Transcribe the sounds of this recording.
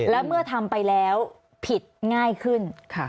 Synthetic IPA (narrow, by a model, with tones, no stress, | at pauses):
lɛː˦˥wmɯ˥˩ɐt̪ʰa˧mpa˧jlɛː˦˥w | pʰi˨˩t̪̚ŋaː˥˩jkʰɯ˥˩nkʰa˥˩